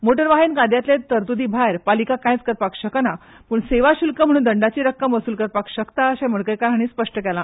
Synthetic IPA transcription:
moʈəɾʋaɦinkad̪ʱjat̪let̪əɾt̪ud̪iːbʱajɾpalikakãjt͡skəɾpakɕəkəna | puːɳseʋaɕilkəm̤əɽ̃uːnd̪əɳɖat͡ɕiːɾəkːəmʋəsuːlkəɾpakɕəkt̪aəɕɛm̤əɽkəɾkaɾɦaɽ̃iːspəʂʈəkɛlã

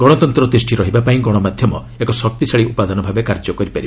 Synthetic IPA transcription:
ɡɔɽ̃ɔt̪ɔnt̪ɾɔd̪ɾis̬ʈʰiɾɔɦibapaĩɡɔɽ̃ɔmad̪ʱjɔmɔ | ekɔsɔk̚t̪isʰaɭiupad̪ɔnɔbʱabekaɾd͡ʒɔkɔɾipaɾibɔ

